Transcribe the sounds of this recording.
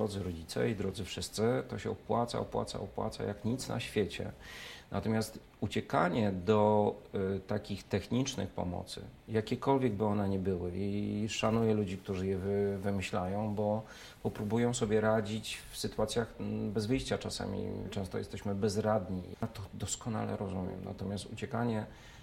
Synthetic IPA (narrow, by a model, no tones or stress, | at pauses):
ɾɔd̪zɘɾɔd͡ʑit̪sɛ̰id̪ɾɔd̪zɘfʂɘst̪sɘt̪ɔɕɛɔpwat̪sa̰ɔpwa̰t̪sa̰ɔpwa̰t̪sa̰jakɲit̪sna̰ɕfʲjɛt͡ɕɛ̰nʔat̪ɔmʲast̪ | ut͡ɕɛkaɲɛd̪ɔ | t̪akʲixt̪ɛxɲit͡ʂnɘ̰xpɔ̰mɔ̰t̪sɘ̰jakʲɛkɔlvʲjɛɡbɘɔnɛɲɛbɘwɘiʂanujɛlud͡ʑik̚t̪uʐɘjɛvɘvɘmɘɕlajɔ̃w̃bɔ | pɔpɾubujɔ̃w̃sɔbʲjɛɾad͡ʑit͡ɕfsɘt̪uat̪sʲjaxbɛzvɘjɕt͡ɕat͡ʂasa̰mʲḭt͡ʂɛ̃st̪ɔjɛst̪ɛɕmɘbɛzɾad̪ɲit̪ɔd̪ɔskɔna̰lɛ̰ɾɔzumʲjɛ̰mna̰t̪ɔmʲast̪ut͡ɕɛkaɲɛ